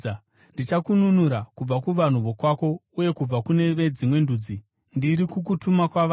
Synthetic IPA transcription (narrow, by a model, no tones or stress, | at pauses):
ndit͡ʃakununuɾakub͡vakuʋan̤uʋo̞kwako̞uje̞kub͡vakune̞ʋe̞d͡zimwe̞nduːd͡zi | ndiɾikuk̬utumakwaʋa